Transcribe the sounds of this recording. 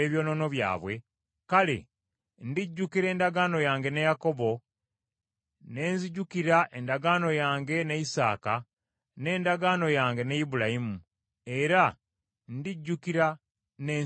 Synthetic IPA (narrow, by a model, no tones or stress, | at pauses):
eβjo̞ːno̞no̞βja̰ːβwe̞ | kalḛ | ndiɟːukiɾe̞ːndaɡaːno̞jaːŋɡe̞nejako̞βo̞ | ne̞ːnziɟukiɾaʔe̞ndaɡaːno̞jaːŋɡe̞neisa̰ːka | ne̞ːndaɡano̞jaːŋɡe̞neibulajimu | e̞ɾa | ndiɟːukiɾa | ne̞ː